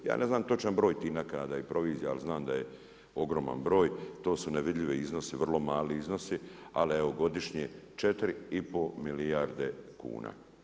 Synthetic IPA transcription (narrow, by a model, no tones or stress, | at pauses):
ja̰ːnʔe̞znaːmt̪o̞t͡ʃanbɾo̞ːjt̪inakaːd̪aipɾo̞ʋiːzjaalznaːmd̪aje | o̞ɡɾoma̰nbɾo̞ːjt̪o̞ːsuneʋid̪ʎʲiʋiizno̞siʋr̩lˠo̞maːliizno̞sialieoɡo̞d̪iʃɲet͡ʃet̪ɾiipo̞milijaɾd̪ekṵːna̰ː